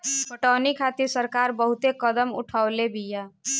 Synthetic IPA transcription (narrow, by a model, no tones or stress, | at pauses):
pəʈanikʰat̪iɾsəɾkaɾbəɦut̪ekəd̪əmṵʈʰaʊlebʱija